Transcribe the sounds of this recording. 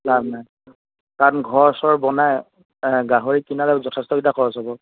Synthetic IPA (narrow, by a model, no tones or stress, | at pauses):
labnaj | kanɡʱɔɹsɔɹbɔnaj | ɡaɦoɹikinalɛzɔtʰɛstɔkidakʰɔɹɔsɔbɔ